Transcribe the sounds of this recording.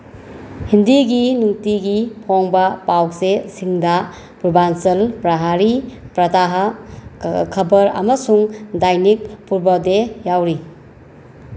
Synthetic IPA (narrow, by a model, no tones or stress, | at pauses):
hindiɡinuŋtiɡipʰoŋbɐpawksesiŋdɐ | pubansɐlpɾɐɦaɾipɾɐtaɦɐ | kʰɐbɐɾɐ̰mɐsuŋdajnik̚puɾbodejawɾi